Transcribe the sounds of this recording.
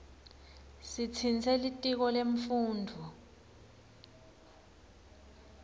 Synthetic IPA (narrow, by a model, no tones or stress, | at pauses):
sit͡sʰint͡sʰɛlitʼik̬ɔleɱfuːndʱu